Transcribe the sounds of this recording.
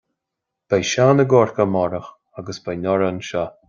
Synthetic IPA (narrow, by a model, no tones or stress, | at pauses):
b̥ɛjʃanəɡɔɹkamɔɾəx | aɡəsbɛjnɔɾanʃa